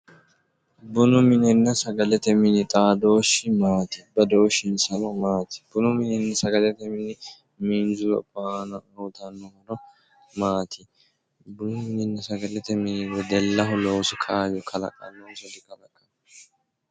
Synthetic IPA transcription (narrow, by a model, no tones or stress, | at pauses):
bʊnʊmɪnɛnːɐsɐɡɐlɛt̪ɛmɪnɪt̪ʼaːd̪o̞ːʃːɪmaːt̪ɪbɐd̪oːʃːɪnsɐnɔmaːt̪ɪ̥bʊnʊmɪnɛnːɐsɐɡɐlɛt̪ɛmɪnɪ | miːnzʊlɔ̰pʼːaːnɐuːt̪ɐnːɔhɐnɔ | maːt̪ʰɪ | bʊnʊmɪnɛnːɐsɐɡɐlɛt̪ɛmɪnɪwɛd̪ɛlːɐɦʊloːsɔkʰaːjɔkʰɐlɐ̰kʼɐ̰nːɔːsɔd̪ɪkɐlɐkʼɐn